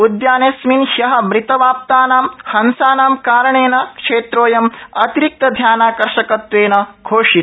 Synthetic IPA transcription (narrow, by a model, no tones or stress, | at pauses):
ud̪jaːnesminhjɐɦɐ̆mɾit̪ɐʋaːp̚t̪aːnaːmhɐnsaːnaːmkaːɾɐɳeːnɐkʂeːt̪ɾoːjɐmɐt̪iɾik̚t̪ɐd̪ʱjaːnaːkɐɾʂɐkɐt̪ʋeːnɐɡʰʱoːʂit̪